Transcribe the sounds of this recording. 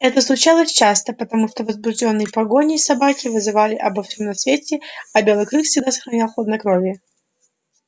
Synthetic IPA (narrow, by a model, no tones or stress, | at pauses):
ɛt̪əslˠʊt͡ɕalˠəsʲt͡ɕast̪əpət̪ɐmuʂt̪ovəzbʊʐdʲo̞nːɨjɪpɐɡo̞nʲɪsɐbakʲɪvɨzɨvalʲɪʔɐbɐfsʲomnɐsvʲetʲɪɐbʲe̞lˠɨjkɾɨxfsʲɪɡd̪asə̥xɾɐnʲalˠxlˠod̪nɐkɾovʲjɪ